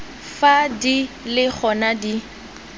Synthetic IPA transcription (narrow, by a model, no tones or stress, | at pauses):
fadilɪk͡xʰɔnadi